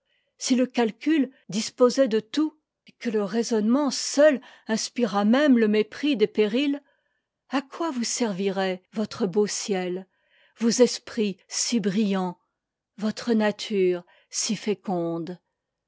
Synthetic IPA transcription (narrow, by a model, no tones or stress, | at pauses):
siləkʲalkʲyld̪ispozɛd̪ət̪u | ekələʁezɔnmɑ̃sœlɛ̃spiʁamɛmləmepχid̪epeʁil | akwavusɛʁviʁɛvɔt̪χəbosjɛl | vozɛspχisibʁijɑ̃ | vɔt̪χənat̪ʰyːʁ | sifekɔ̃d̪